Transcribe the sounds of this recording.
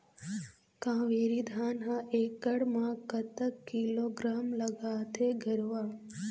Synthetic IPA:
kãːʋeːɾid̪ʱaːnɦãʔeːkːəɽmãkət̪əkːiloɡɾaːmləɡaːt̪eɡʱəɾʋaː

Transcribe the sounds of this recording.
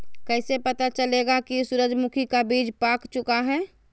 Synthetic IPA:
kɛːsepət̪at͡ʃəleɡakisʊɾəd͡ʒmʊkʰikabiːd͡ʒpaːkt͡ʃʊkaɦɛː

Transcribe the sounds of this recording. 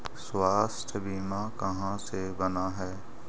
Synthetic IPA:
swaːst̪ʰbiːmãkəɦãsebənaɦɛː

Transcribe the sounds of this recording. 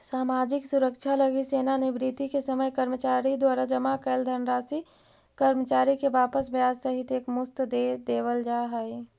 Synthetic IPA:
saːmaːd͡ʒɪksʊɾəkʃʰaləɡiseːnanibɾit̪ikesəməjkəɾmət͡ʃaːɾid̪waːɾad͡ʒəmakəld̪ʱənɾaːsi | kəɾmət͡ʃaːɾikebaːpəsbʱjaːd͡ʒsəɦɪt̪eːkmʊst̪d̪ed̪eːʋəld͡ʒaɦəi

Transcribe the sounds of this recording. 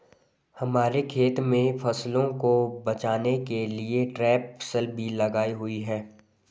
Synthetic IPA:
hɐmaːɾekʰeːt̪mẽfʰɐslõkobɐt͡ʃaːnekelieʈɾɛːpfə̥səlbʱilɐɡaːiɦʊiɦɛː

